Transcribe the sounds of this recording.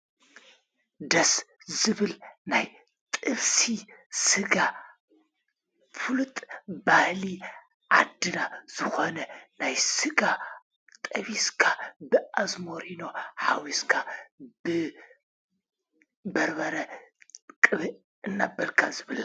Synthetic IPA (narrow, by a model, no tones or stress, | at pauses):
d̪ɐs | zɨβɨlnaj | t̪ʼɨβsisɨɡa | fɨlut̪ʼbahli | ʕa̰d̪ːɨnaz̥ɨxonɐnajsɨɡa | t̪ʼɐβiskʰabɨʔazmoɾino̞ħa̰wiskʰab̥ɨ | bɐɾbɐɾɐ | kʼɨβɨ | ɨnːabɐlkʰazɨβɨla